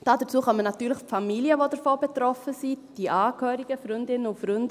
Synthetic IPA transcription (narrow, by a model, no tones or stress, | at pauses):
d̥ɑːdət͡suːχœmənɑt̪yːɾləχfamiliəʋodəɾfoːbɛtɾɔfəsid̥iʔɑːkʰhøːɾiɡ̥əfɾʏndɪnəʊfɾʏndə